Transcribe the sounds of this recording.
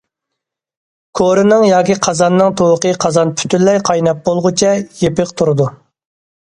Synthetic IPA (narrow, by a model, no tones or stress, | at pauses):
kʰoɾɨnɨŋjɑːkʲiqʰɑzɑnːɨŋt̪ʰowqəqʰɑzɑnpʰy̥t̪ʰynlɛjqʰɑjnɛp̚bolˠʁʊt͡ʃʰɛjepɪq̚t̪ʰuɾɨd̪u